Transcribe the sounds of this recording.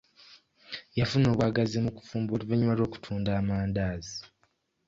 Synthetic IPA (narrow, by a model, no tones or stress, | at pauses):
jafuno̞ːβwaːɡazimuku̥fuːmbuliveɲːumaɾo̞ːku̥tʰuːndaːmaːndaːzi